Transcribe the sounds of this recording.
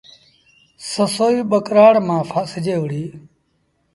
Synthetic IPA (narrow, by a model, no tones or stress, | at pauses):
səsoːiːɓəkɾaːɽmãːfʰaːsɪd͡ʒeːʋəɽiː